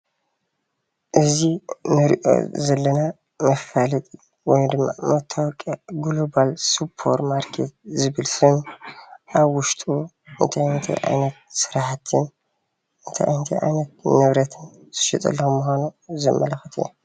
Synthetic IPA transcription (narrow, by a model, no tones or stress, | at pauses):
ʔɨzinɨɾḭʔo̞̰zɐlːɐna | mɐfalɨt̪ʼɨ | wɔjd̪ɨmːa̰mɐt̪ʰːawɔkʼːaɡulobalsupʰːo̞̰ɾmaɾkʰet̪̚zɨβɨlsɨn | ʔaβwʊʃt̪ʼu | ɨnt̪ʰajnt̪ʰa̰jʔa̰jnɐt̪̚sɨɾħat̪ʰɨn | ʔɨnt̪ʰa̰j̰jhnt̪ʰaa̰jnɐt̪̚ːɨβɾɐt̪ʰɨnz̥ɨ̥ʃit̪ʼɐ̰lːɐxumːuxʷanuzɐmːɐlɐxɨt̪ʰɨ̰jna